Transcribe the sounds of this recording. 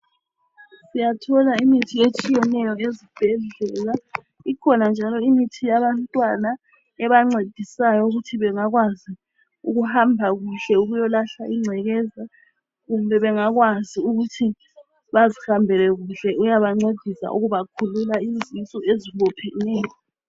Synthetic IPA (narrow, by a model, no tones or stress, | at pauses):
sijatʰɔlaimitʰiet͡ʃʼijɛnɛjɔezib̥ʱɛɮɛla | ikʰɔnand͡ʒʱalɔimitʰijaβantʼwana | ɛβaŋ͡ǀed̥ʱisajɔuɣutʰiβɛŋaɣwazi | uɣuhambʱaɣuɬɛuɣujɔlaɬaʔiŋ͡ǀʱɛɣɛza | ɣumbʱɛβɛŋaɣwaziuɣutʰi | βazihambʱɛlɛɣuɬɛujaβaŋ͡ǀed̥ʱisa̰ʔṵɣuβakʰululaizisɔeziβɔpʰɛnɛːjɔ